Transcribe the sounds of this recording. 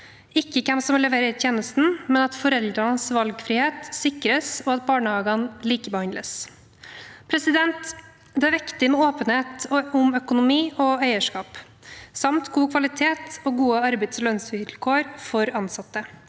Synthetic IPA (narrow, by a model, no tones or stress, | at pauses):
ɪkːəkʰɛmsɔmlɛʋeɾəɾt̪ʰjeːnəst̪n̩mɛnɑt̪fɔɾɛld̪ɾɑnəsʋɑlɡfɾɪːheːt̪sɪkɾəsɔɑt̪bɑːɳəhɑːɡɑnliːkəbəhɑnləs | pʰɾɛsɪd̪ɛnt̪ | d̪ɛæɾʋɪkt̪ɪmɛoːpənheːt̪ʊmœkʊnʊmiːʔɔæɪəʂkɑːp | sɑmt̪ɡuːkʰʋɑlɪt̪ʰeːt̪ɔɡuːəɑɾbɛɪd̪sɔlœnsʋɪlkʰoːɾfɔɾɑnsɑt̪ːə